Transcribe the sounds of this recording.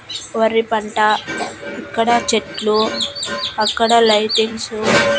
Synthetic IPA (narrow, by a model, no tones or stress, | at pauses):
ʋɐɾːipɐɳʈaikːɐɽɐt͡ʃeʈlu | ɐkːɐɽɐlɐjʈeŋsu